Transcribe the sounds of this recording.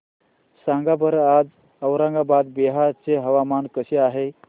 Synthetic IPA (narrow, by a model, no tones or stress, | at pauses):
sãŋɡabəɾad͡z | əwɾãŋɡabad̪beɦat͡seɦəʋamankəseaɦe